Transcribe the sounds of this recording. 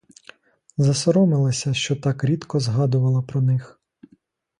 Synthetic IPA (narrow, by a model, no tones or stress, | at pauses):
zɐsɔɾɔmɪlˠɐsʲɐʃt͡ʃɔt̪ɑkɾʲid̪kɔzɦɑd̪ʊʋɐlˠɐpɾɔnɪx